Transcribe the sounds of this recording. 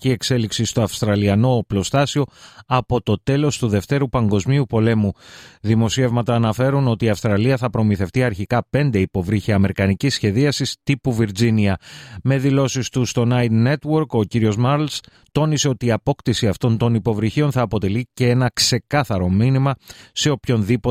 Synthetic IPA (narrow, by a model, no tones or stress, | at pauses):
cie̞kse̞liksist̪o̞ɐfst̪ɾɐliɐno̞ːplo̞st̪ɐsio̞ɐpo̞t̪o̞t̪e̞lo̞st̪uðe̞ft̪e̞ɾupɐŋɡo̞zmiupo̞le̞muðimo̞sie̞vmɐt̪ɐːnɐfe̞ɾuno̞t̪iːɐfst̪ɾɐliɐθɐpɾo̞miθe̞ft̪iɐɾçikɐpe̞nd̪eipo̞vɾiçiɐme̞ɾikɐnicisçe̞ðiɐsist̪ipuviɾd͡ziniɐme̞ðilo̞sist̪ust̪o̞nɐjt̪ne̞t̪wo̞ɾko̞ciɾio̞zmɐɾls | t̪o̞nise̞o̞t̪iːɐpo̞kt̪isiɐft̪o̞nt̪o̞nipo̞vɾiçio̞nθɐːpo̞t̪e̞lice̞enɐkse̞kɐθɐɾo̞minimɐse̞o̞pço̞nðipo